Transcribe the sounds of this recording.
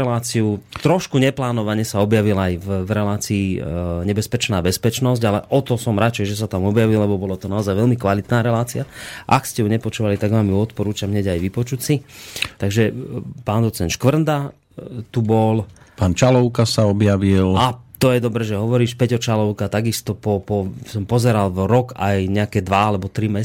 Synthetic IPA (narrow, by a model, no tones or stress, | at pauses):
ɛlaːt͡siut̪ɾɔʃkuɲɛplaːnɔʋaɲɛsaɔbjaʋilaajvvɾɛlaːt͡siːɲɛbɛspɛt͡ʃnaːbɛspɛt͡ʃnɔzɟalɛʔɔt̪ɔsɔmɾat͡ʃɛjʒɛs̬at̪amɔbjaʋillɛbɔbɔlat̪ɔnaɔzajʋɛlmikʋalit̪naːɾɛlaːt͡siaʔakscɛjuɲɛpɔt͡ʃuʋalit̪aɡʋaːmjuɔt̪pɔɾuːt͡ʃamɦɲɛɟajʋipɔt͡ʃucsit̪aɡʒɛpaːnd̪ɔt͡sɛnʃkʋr̩nd̪a | t̪ubɔlpaːnt͡ʃalɔʊkasaɔbjaʋilat̪ɔjɛd̪ɔbɾɛʒɛɦɔʋɔɾiːʃpɛɟɔt͡ʃalɔʊkat̪aɡist̪ɔpɔpɔsɔmpɔzɛɾalvɾɔkajɲɛakɛːd̪ʋaalɛbɔt̪ɾimɛ